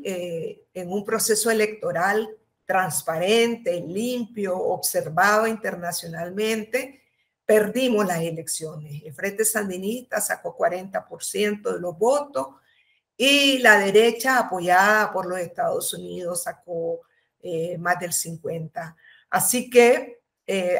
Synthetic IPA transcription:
e | eŋumpɾo̞se̞soele̞k̚t̪o̞ɾal | t̪ɾanspaɾent̪e̞limpjo̰ːbse̞ɾbaðoint̪e̞ɾnasjo̞nalmẽnt̪e̞ | pe̞ɾd̪imo̞slase̞le̞ksjo̞neselfɾe̞nt̪e̞sand̪inist̪asako̞kwaɾe̞nt̪apo̞ɾsje̞nt̪oðelo̞zbo̞t̪os | ilaðeɾe̞t͡ʃaːpo̞ʝaðapo̞ɾlo̞se̞ht̪aðosuniðo̞sako | emazd̪e̞lsiŋkwe̞nt̪a | asike

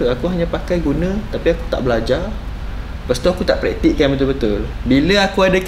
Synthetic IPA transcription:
uakuɦaɲãpakajɡunə̃t̪apiaku̥t̪a̰ʔbəlad͡ʒa | pəst̪uakut̪aʔpɾɛ̰k̚t̪iʔkanbət̪̬ubət̪ulbiləakuadək

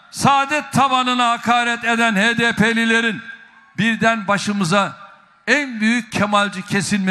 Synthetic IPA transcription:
saːd̪ɛt̪ʰamanɯnaɦakʰaːɾɛt̪e̞d̪ænheːd̪epʰelʲilʲe̞ɾin | biɾd̪ænbaʃɯmɯza | ænbyjyc̚cʰemalʲd͡ʒɯcʰe̞sinme

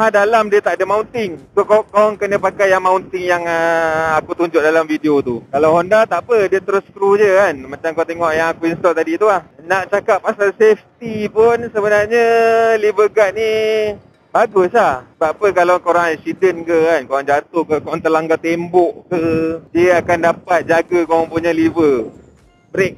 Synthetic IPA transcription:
ɦadalamdiət̪aʔadəmaunt̪ɪŋkukokoaŋkənə̃pakajaŋmaunt̪ɪŋjaŋəakut̪uɲd͡ʒʊʔ̚dalamfideot̪ukalawɦɔndat̪aʔpədiət̪əɾʊskɾud͡ʒəkanmat͡ʃaŋkoat̪eŋɔʔjaŋakuinst̪ɔlt̪adit̪ulahnaʔt͡ʃakapːasalseft̪ipʊnsəbənarɲəlibəɡat̪̚ni | baɡʊslaht̪apəkalawkoɾaŋaisidənkəkankoɾaŋd͡ʒat̪ʊhkəkoɾaŋt̪əlaŋɡat̪embɔʔkədiəakandapat̪̚d͡ʒaɡakoɾaŋpuɲalivə | bəɾek̚

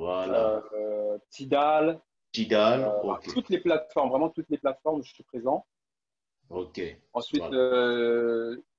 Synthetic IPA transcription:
al | t̪id̪al | tid̪alaʁkt̪ut̪leplat̪fɔʁmvʁɛmɑ̃t̪ut̪leplat̪fɔʁmʒəsipχezɑ̃ | okʲe | ɑ̃sɥitø

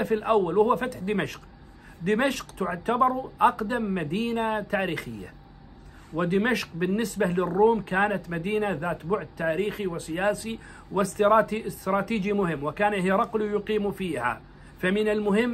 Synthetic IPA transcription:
afɪlʔawːalwhʊːfat̪ħd̪ɪmaʃq | d̪ɪmaʃqt̪ʊʕt̪abɑɾˤʔɑqd̪amːad̪iːnat̪aːɾiːxɪ̰jːa̰ | wɪd̪ɪmaʃqbɪnːɪsbalɪrːuːmkaːnat̪mad̪iːnaðaːt̪bʊʕd̪̚t̪aːɾiːxiwɪsɪjaːsi | wɪst̪ːst̪ɾˤɑːt̪iːd͡ʒimʊhɪmːwɪkaːnɦiːɾˤɑqlujʊqiːmufiːha̰ | famɪnɪlmʊhɪmː

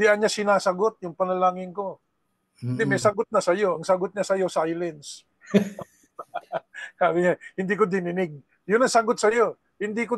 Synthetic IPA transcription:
d̪ɪʔɐnɲasɪnaːsɐɡot̪̚jʊŋpɐnɐlaːŋɪnko̞ | nd̪ɪmɛsɐɡot̪̚nɐsɐjo̞ʔɐŋsɐɡot̪̚ɲasɐjo̞sajlɛns | kaːlɪɲahɪnd̪ikod̪ɪnɪnɪɡ̚ | jʊnɐŋsɐɡot̪̚sɐjo | hɪnd̪iko

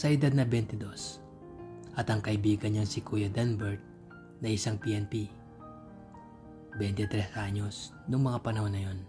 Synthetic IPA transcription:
sɐʔɪd̪ad̪̚nɐbɛnt̪ɪd̪o̞s | ʔɐt̪ɐŋkɐʔɪbiːɡɐnɲɐŋsɪkujɐd̪ɛnbɛɹt̪̚ | nɐɪsaŋpiʔɛnpi | bɛnt̪ɪt̪ɾɛsʔaɲo̞s | nʊŋmɐŋapɐnɐho̞nːɐjo̞n

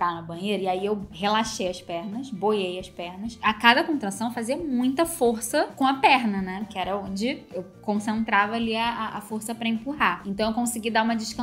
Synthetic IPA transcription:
ɾanɐbɐ̃j̃ejɾɐiaiewhelaʃejɐspɛɾnɐsbojejɐspɛɾnɐsakad̪ɐkõnt̪ɾɐ̃sɐ̃w̃faziɐmũj̃t̪ɐfoɾsɐkõɐpɛɾnɐnɛkɪɛɾɐõd͡ʒɪewkõsẽnt̪ɾavɐaːliɐaːfoɾsɐpɾɐẽmpuɦaẽt̪ɐ̃w̃ewkõsiɡid̪aũmɐd͡ʒɪʃkɐ̃

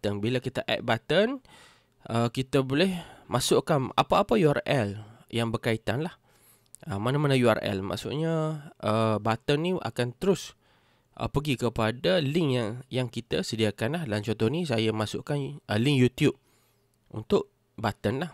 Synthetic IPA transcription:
ənbilakit̪aʔɛ̰t̪̚bat̪ən | ʔəkit̪əbolɛhmʔasʊʔkana̰paapajuarɛljaŋbərkait̪anlah | ʔəmanamanəjua̰rɛ̰lma̰ʔsʊ̰ʔɲaʔəbat̪ənːiʔa̰kant̪əɾʊs | ʔə̰pəɡikəpadalɪŋjaŋjaŋkit̪asədiakanlahdalamt͡ʃɔnt̪ɔhnis̬ajamasʊ̰ʔkanʔəlɪŋjut̪jub̚ | ʔṵnt̪ʊʔ | bat̪ənlah

